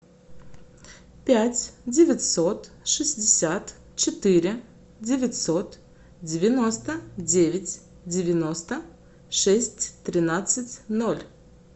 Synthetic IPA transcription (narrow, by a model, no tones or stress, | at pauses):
pʲætʲdʲɪvʲɪtʲsot̪ | ʂɨzʲdʲɪsʲat̪ | t͡ɕɪt̪ɨɾʲɪ | dʲɪvʲɪtʲsot̪ | dʲɪvʲɪnost̪ədʲevʲɪtʲ | dʲɪvʲɪnost̪ə | ʂɛsʲtʲt̪ɾʲɪnat̪sɨtʲnolʲ